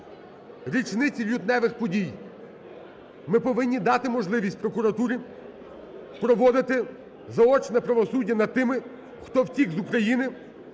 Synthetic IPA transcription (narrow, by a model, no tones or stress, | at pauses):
ɾʲit͡ʃnɪt͡sʲilʲut̪nɛʋɪxpɔdʲij | mɪpɔʋɪnʲːid̪ɑt̪ɪmɔʒlˠɪʋʲisʲtʲpɾɔkʊɾɐt̪uɾʲi | pɾɔʋɔd̪ɪt̪ɪ | zɐɔt͡ʃnɛpɾɐʋɔsudʲːɐnɐd̪̚t̪ɪmɪ | xt̪ɔwtʲiɡzʊkɾɐjinɪ